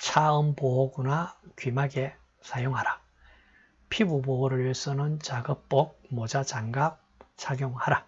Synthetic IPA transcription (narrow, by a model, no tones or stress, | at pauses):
t͡ɕʰaɯmpoɦoɡunakɥimaɡe | sʰajoŋɦaɾa | pʰibuboɦoɾɯɾɥes͈ʌnɯnt͡ɕaɡɯp͈ok̚mod͡ʑat͡ɕaŋɡap̚ | t͡ɕʰaɡjoŋhaɾa